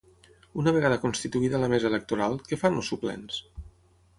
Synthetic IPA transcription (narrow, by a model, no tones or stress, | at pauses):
unəβ̞eɣaðəkonst̪it̪uiðələmezəelək̚t̪uɾalˠkefanosuplɛ̰ns